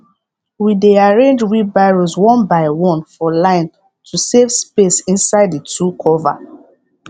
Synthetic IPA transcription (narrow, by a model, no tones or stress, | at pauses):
wideaɹẽnd͡ʒwibaɹoswɔ̃nbaɪwɔ̃nfɔlãɪ̃n | tʰusevspesĩnsaɪditukʰɔva̰